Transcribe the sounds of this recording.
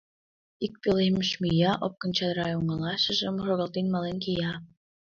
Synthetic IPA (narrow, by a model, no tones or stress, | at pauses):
ik̚peleməʃmijɑʔop̚kə̆nt͡ɕɑd̪ɾɑjuŋəlɑʃə̆ʒəmroɣəlt̪enmɑlenkijɑ